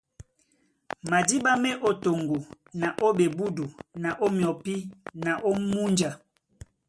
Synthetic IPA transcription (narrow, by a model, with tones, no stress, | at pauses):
ma˨di˦ba˦mɛ˦ʔo˦to˨ŋɡu˨ | na˨ʔo˦be˨bu˦du˨na˨ʔo˦mjɔ˨pi˦na˨ʔo˦mu˦nd͡ʒa˨